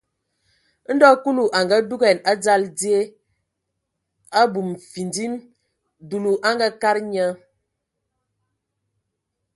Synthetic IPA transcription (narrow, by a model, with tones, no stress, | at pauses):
n̩˦dɔ˦ku˦lu˨ʔa˨ŋɡa˦du˦ɡɛ˨na˦d͡za˦ldi˦e˦ | a˦bu˨mfi˨ndi˦n | du˨lu˨ʔa˦ŋɡa˦ka˦ɾɲə˦